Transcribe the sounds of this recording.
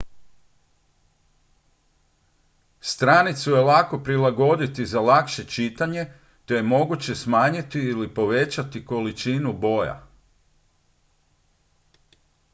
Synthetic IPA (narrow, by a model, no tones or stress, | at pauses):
st̪ɾanit̪suje̞lako̞pɾilˠaɡo̞d̪it̪izalakʃe̞t͡ʃit̪aɲe̞ | t̪o̞jemo̞ɡut͡ɕe̞smaːɲit̪iːlipo̞ʋe̞t͡ɕat̪iko̞lit͡ʃinubo̞ja̰